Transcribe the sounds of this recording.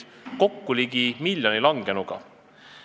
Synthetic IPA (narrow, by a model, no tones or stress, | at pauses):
ko̞kːuliɡimilʲjonilɑŋɡ̥e̞nuɡ̥ɑ̰